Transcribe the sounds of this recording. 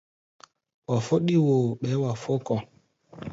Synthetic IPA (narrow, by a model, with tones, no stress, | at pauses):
wa˨fo˦ɗi˦wo˨ɓɛ˨˦wa˨fo˦kɔ˨